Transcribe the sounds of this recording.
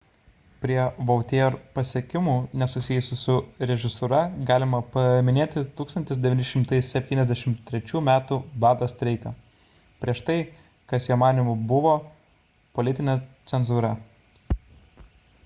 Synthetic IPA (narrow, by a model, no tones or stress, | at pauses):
pʲɾʲiɛʋɐʊt̪ʲeːɾpɐsʲiɛkʲɪmuːnʲɛsʊsʲɪjʊsʲɪsʊɾʲɛʒʲɪsʊɾɐɡɑːlʲɪmɐpɐmʲɪnʲeːt̪ʲɪt̪uːkst̪ɐnʲt̪ʲɪsd̪ʲɛʋʲɪnʲɪʃʲɪmt̪ɐɪsʲɛpʲt̪ʲiːnɛzʲd̪ʲɛʃʲɪmt̪ʲːɾʲɛt͡ʃʲuːmʲæːt̪ubɑːd̪ɐst̪ʲɾʲɛɪkɐ | pʲɾʲiɛʃt̪ɐɪ | kɐsjoːmɑːnʲɪmʊbʊʋoː | polʲɪt̪ʲɪnʲɛt̪sʲɛnzuːɾɐ